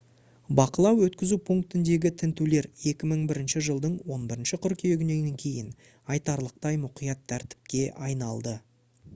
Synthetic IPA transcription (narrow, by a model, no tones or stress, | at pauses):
bɑqəlˠɑwwɵt̪kʲɪzupʰuŋkt̪ɪnd̪e̞ɡʲɪt̪ʰɪnt̪ule̞ɾe̞kʲɪməɴbɪɾɪnʃɪʒəlˠd̪əɴwo̞nbɪɾɪnʃɪqʰʏɾkʲijeɡʲɪne̞ŋʲeŋkʲʰe̞jɪn | ɑjt̪ɑɾlˠəq̚t̪ɑjmʊqijɑt̪ʰːæɾt̪ɪ̥p̚kʲe̞ʔɑjnɑlˠd̪ə